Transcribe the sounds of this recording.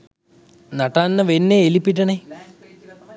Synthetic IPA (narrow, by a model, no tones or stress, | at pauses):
nɐʈaːnːɐʋenːeːlipːiʈ̬ːɐne